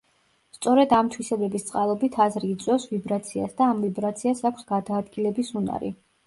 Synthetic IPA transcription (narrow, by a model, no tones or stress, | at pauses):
st̪sʼɔɾɛd̪amt̪ʰwisɛbɛbist̪sʼqʼalˠɔbit̪ʰazɾiːt̪sʼwɛfsvibɾat̪sʰia̰sd̪aːmvibɾat̪sʰiasakʷʰsɡad̪aːd̪ɡilɛbisuna̰ɾḭ